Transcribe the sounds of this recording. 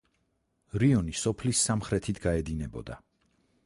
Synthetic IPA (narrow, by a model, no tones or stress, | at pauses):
ɾiɔnisɔpʰlisːamχɾɛt̪ʰit̪ʰɡaɛd̪inɛbɔ̰d̪a̰